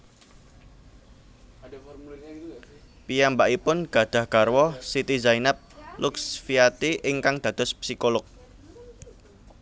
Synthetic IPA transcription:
pijambaʔipʊnɡ̥ä̤d̪̥ä̤hɡ̥arwɔsit̪izainap̚lʊksfiat̪iʔɪŋkaŋd̪̥ä̤d̪ɔ̤spsikolʊk̚

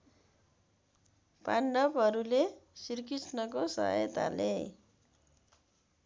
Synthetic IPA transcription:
paɳɖʌbɦʌɾulesirkisnʌkosʌ̰ɦjt̪a̰lḛ

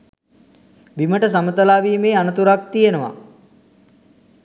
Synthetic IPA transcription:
biməʈəs̬amət̪əlaːʋiːmeːanət̪uɾak̚t̪ijenəʋa̰

